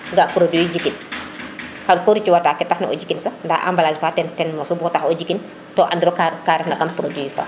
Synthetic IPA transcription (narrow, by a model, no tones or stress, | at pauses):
ŋɡapuɾodid͡ʒikːin | kadkoɾit͡ʃiwataːkɛtaxnɐʔɔ̰ɟikinsanda̰ʔa̰mbalaːd͡ʒifaːtɛntɛnmɔsubɔtaxɔɟikːin | tɔːʔandiɾɔkkaːɾɛnɐkampuɾodiifa̰ː